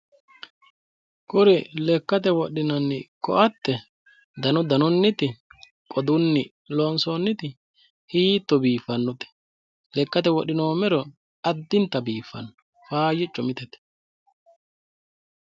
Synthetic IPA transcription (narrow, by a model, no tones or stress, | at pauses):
kʼʊɾɛlɛkːɐt̪ɛwɔɗːɪnɐnːɪkɔ̰ʔɐt̪ːɛ | d̪ɐnɔd̪ɐnɔnːɪt̪ɪ | kʼɔd̪ʊnːɪ | loːnsoːnːɪt̪ɪ | hiːt̪ːɔbiːfɐnːɔt̪ɛ̥ | lɛkːɐt̪ɛwɔɗɪnoːmɛɾɔ | ɐd̪ːɪnt̪ːɐbiːfːɐ̰nːɔ | faːjɪt͡ʃʼːɔmɪt̪ɛt̪ɛ̥